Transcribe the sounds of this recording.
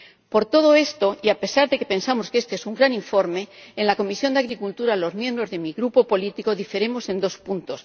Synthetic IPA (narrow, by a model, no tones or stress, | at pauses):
po̞ɾt̪o̞ð̞o̞e̞st̪o̞ʔiape̞saɾðe̞ke̞pẽ̞nsamo̞ske̞st̪eesuŋɡɾanĩɱfo̞ɾme̞ːnlako̞misjo̞nd̪aɣɾikult̪uɾalo̞zmjembɾo̞zðe̞miɣɾupo̞po̞lit̪iko̞ðifeɾe̞mo̞se̞nd̪o̞spunt̪o̞s